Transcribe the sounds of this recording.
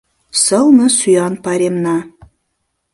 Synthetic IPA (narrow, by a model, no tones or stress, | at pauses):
səlˠməsujɑnpɑɾʲemnɑ